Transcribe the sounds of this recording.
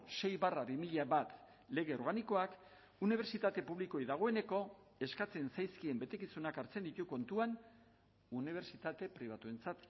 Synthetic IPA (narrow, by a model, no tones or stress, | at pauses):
se̞jβaraβimiʎaβat̪ | le̞ɣ̞e̞o̞ɾɣaniko̞ak | uniβ̞e̞ɾt͡sit̪at̪e̞puβliko̞jðaɣ̞o̞e̞ne̞ko̞ | e̞skat͡se̞nsajskie̞mbe̞t̪e̞kisunakaɾt͡se̞nd̪it̪uko̞nt̪uan | uniβ̞e̞ɾt͡sit̪at̪e̞pɾiβ̞at̪ue̞nt͡sat̪